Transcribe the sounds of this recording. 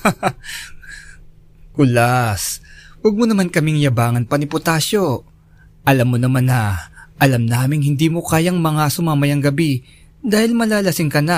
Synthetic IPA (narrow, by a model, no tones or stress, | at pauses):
kʊlaswɐɡ̚monɐmankɐmɪŋjɐbaːŋɐnpɐnɪpʊt̪aːʃo | ʔɐlamːonɐmanːɐʔɐlɐmnaːmɪŋhɪnd̪iːmo̞kaːjɐŋmɐŋasʊmaːmɐjɐŋɡɐbi | d̪aːhɪlmɐlaːlɐsɪŋkɐna